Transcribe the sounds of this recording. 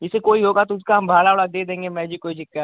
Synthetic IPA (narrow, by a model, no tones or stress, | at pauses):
ɪsekoːiɦoːɡat̪oʊskaɦɐmbʱaːlaʋɐɽad̪eːd̪ẽːŋɡemɛ̃ːd͡ʒikoːid͡ʒɪkːa